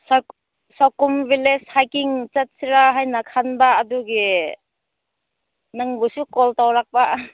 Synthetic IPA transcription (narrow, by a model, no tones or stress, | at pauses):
s | sawkumvileshajkiŋt͡sɐt̚siɾaɦajnakʰanbaʔːduɡe | naŋbusukɔltawlak̚baʔ